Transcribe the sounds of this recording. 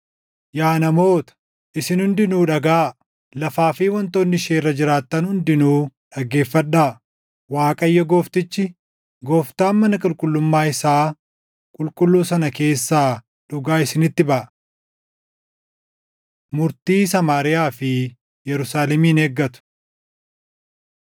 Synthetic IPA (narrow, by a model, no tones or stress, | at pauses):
jaːnɐmo̞ːt̪ɐ̥ | ɪsɪnhʊnd̪ɪnuːᶑɐɡaː | lɐfaːfiːwɔnt̪o̞ːnːɪʃeːrːɐd͡ʒɪɾaːt̪ːɐnhʊnd̪ɪnuːᶑɐɡe̞ːfːɐᶑaː | waːkʼɐjːɐɡoːft̪ɪt͡ʃːɪ | ɡoːft̪aːnmːɐnɐkʼʊlkʼʊlːʊmːaːɪsaː | kʼʊlkʼʊlːuːsɐnɐke̞ːsːaː | ᶑʊɡaːɪsɪnɪt̪ːɪbɐʔ | mʊɾt̪iːsɐmaːɾɪjaːfɪ | jɛɾʊsaːlɛmiːneːɡːɐt̪ʊ̥